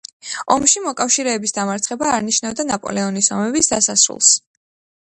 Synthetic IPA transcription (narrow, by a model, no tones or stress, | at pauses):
ɔmʃimɔkʼafʃiɾɛːbisd̪amaɾt̪sʰχɛbaːɾniʃnavd̪anapʼɔ̰lɛɔnisɔ̰mɛbisd̪asasɾṵlˠs